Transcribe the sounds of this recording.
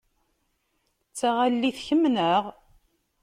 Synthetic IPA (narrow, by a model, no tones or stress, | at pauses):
t͡sːaʁalːiθçəmnəʁ